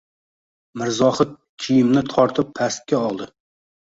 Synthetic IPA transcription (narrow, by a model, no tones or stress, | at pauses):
mɪɾzɒhɨt̪̚kʲʰijɪmnɪt̪ʰɒɾt̪ʰɪpʰast̪̚kʲaɒlˠd̪ɪ